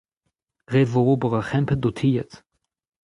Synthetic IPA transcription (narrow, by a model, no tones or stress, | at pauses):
ʁetvoʁoːbəʁəχɛmpədotʰiːt